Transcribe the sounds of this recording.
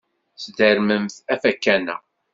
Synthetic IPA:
sd̪əɾməmθæfækːænæ̰

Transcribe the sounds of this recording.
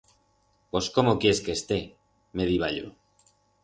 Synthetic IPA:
po̞sko̞mokjeske̞ːst̪e̞ | me̞ðiβ̞a̰ʎo̰

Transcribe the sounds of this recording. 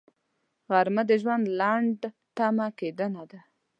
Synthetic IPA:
ɣaɾməd̪əʒwand̪laɳɖ | t̪amaked̪ənad̪a

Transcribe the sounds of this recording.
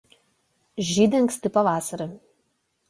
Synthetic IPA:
ʒʲiːd̪ʲɪŋksʲt̪ʲɪpɐʋɑːsɐɾɐ

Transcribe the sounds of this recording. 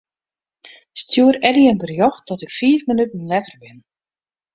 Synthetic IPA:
stʰjuəɾɛdiənbərjɔxt̚d̥ɔtɪkfiəfmənytn̩lɛkərbɪn

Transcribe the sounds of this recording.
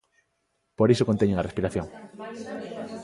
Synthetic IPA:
poɾisokont̪eɲeŋarespiɾaθjoŋ

